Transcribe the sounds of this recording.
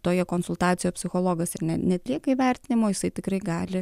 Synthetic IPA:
t̪oːjɛkonsʊlˠt̪ɑːt̪sʲɪjoːpʲsʲɪxoːlˠoːɡɐsɪrnʲɛnʲɛt̪ʲlʲiɛkɐiʋʲærʲt̪ʲɪnʲɪmoːjɪsɐɪt̪ʲɪkɾɐɪɡɑːlʲɪ

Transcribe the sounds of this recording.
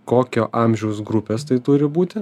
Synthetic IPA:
koːkʲoːʔɑˑmʲʒʲɛʊsɡɾʊpʲeːst̪ɐɪt̪ʊɾʲɪbuːt̪ʲɪ

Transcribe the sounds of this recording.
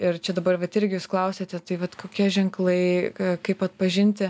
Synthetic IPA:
ɪɾt͡ʃʲɛd̪ɐbɐrʋɐt̪ɪɾʲɡʲɪjuːsklˠɐʊsʲeːt̪ʲɛt̪ɐɪʋɐt̪koːkʲiɛʒʲɛŋklˠɐɪkɐɪpɐt̪̚pɐʒʲɪnʲt̪ʲɪ

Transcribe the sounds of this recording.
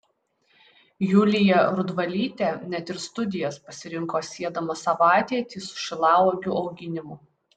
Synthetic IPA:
juːlʲɪjɛɾʊd̪ʋɐlʲiːt̪ʲenʲɛt̪ʲɪɾst̪ʊd̪ʲɪjɛspɐsʲɪɾʲɪŋkoːsʲiɛd̪ɐmɐsɐʋɑˑːt̪ʲiːt̪ʲiːsʊ̥ʃʲɪlˠɑːʋoːɡʲʊɒʊɡʲɪnʲɪmʊ

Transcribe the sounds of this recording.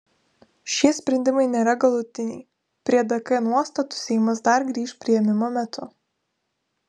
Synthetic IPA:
ʃʲiɛsʲpʲɾʲɛnʲd̪ʲɪmɐɪnʲeːɾɐɡɐlˠʊt̪ʲɪnʲɛɪ | pʲɾʲiɛd̪ɐkɐnuɔst̪ɐt̪ʊ̥sʲɛɪmɐs̬d̪ɐɾɡɾʲiːʃpʲɾʲiɛjɛmʲɪmoːmʲɛt̪ʊ

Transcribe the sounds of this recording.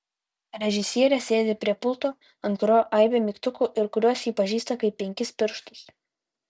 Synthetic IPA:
ɾʲɛʒʲɪsʲiɛɾʲɛsʲeːd̪ʲeːpʲɾʲiɛpʊlˠˑt̪oː | ɐnt̪ɾoːʔɐɪbʲeːmʲɪkt̪ʊkuːʔɪɾkʊɾʲuɔsiːpɐʒʲiːst̪ɐkɐɪp̚ʲːɛŋʲkʲɪspʲɪɾʃt̪ʊs

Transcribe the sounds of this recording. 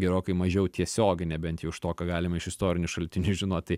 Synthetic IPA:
ɡʲɛɾoːkɐɪmɐʒʲɛʊt̪ʲiɛsʲoːɡʲɪnʲɛːbʲɛnt̪jɛʊɪʃt̪oːkɐɡɑːlʲɪmɐɪʃɪst̪oːɾʲɪnʲʊʃɐlʲt̪ʲɪnʲʊʒʲɪnoːtt̪ɐɪ

